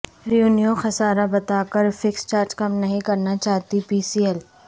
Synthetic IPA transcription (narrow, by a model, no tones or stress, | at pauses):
ɾijuːnijõxɐsaːɾabɐt̪aːkəɾfɪkst͡ʃaːɾd͡ʒkɐmnɐɦĩkɐɾnat͡ʃaːɦt̪ipiːsiːɛl